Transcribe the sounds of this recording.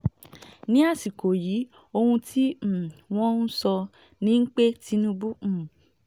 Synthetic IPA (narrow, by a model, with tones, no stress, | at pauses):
nĩ˦a˦˨si˨ko˨ji˨˦ | o˧hũ˧tʰi˦m̩˨w̃ɔ̃˦n̩˦sɔ˧ | nĩ˦ŋ̩˦k͡pe˦ti˦nũ˦bũ˦˨